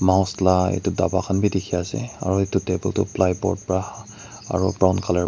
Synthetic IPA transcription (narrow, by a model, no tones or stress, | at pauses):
maʊ̃slaḛtʊdabakʰanbidikʰiasɛ̰a̰ɹuetʊtebɔltʊ̰plajpɔ̰ɹt̚pɹa | a̰ɹṵbɹawnkʰala